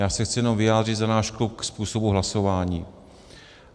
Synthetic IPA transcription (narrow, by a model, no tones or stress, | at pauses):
jaːsɛxt͡sɪjɛno̞mvɪjaːd̪r̝ɪt̪zanaːʃkluk̚kspuːsobuɦlaso̞vaːɲiː